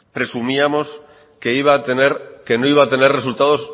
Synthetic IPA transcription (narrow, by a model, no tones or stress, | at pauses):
pɾe̞sumiamo̞s | keiβat̪eneɾke̞no̞iβaːt̪e̞ne̞rre̞sult̪aðo̞s